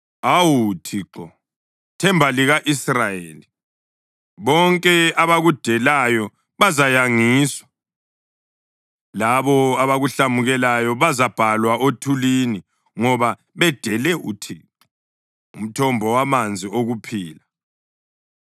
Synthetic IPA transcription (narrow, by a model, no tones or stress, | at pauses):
awutʰiǁɔ | tʰɛmbʱaliɣaʔisrajeːli | βɔŋkʼɛaβaɣud̥ʱɛlajɔ | βazajaŋiːswḁ | laβɔaβaɣuɬamuɣɛlajɔβazab̥ʱalwaʔotʰulini | ŋɔβa | βɛd̥ʱɛlɛʔutʰiːǁɔ | um̩tʰɔmbʱɔwamand͡zʱioɣupʰiːla